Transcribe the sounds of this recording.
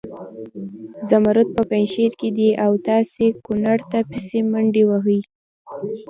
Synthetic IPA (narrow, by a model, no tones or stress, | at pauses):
zamaɾʊt̪̚pəpajnʃeɾked̪iʔawt̪ɑsekʊnaɽt̪apɪsemaɳɖewaɦəj